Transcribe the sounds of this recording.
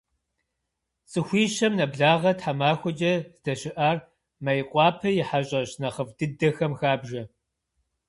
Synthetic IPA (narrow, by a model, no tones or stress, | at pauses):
t͡sʼɨxʷiːɕɐmnɐbɮaːʁɐtħamaːxʷʊt͡ʃʼɐzdɐɕɪʔaːr | mɐjɪqʷʼɑːpʰɐjɪħaɕʼɐɕnɐχəvdɨdɐxɐmxaːbʒɐ